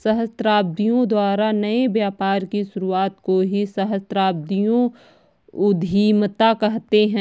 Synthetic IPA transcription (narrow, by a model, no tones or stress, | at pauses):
sɐɦəst̪ɾaːb̚d̪ijõd̪waːɾanɐebjaːpaːɾkiʃʊɾuaːt̪koɦisɐɦəst̪ɾaːb̚d̪ijõ | ʊd̪ʱiːmt̪akɛɦt̪eɦɛ̃